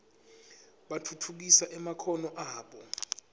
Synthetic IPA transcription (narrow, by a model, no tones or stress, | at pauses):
ɓatʰutʰuk̬isaʔɛmakʰɔnɔʔaːɓɔ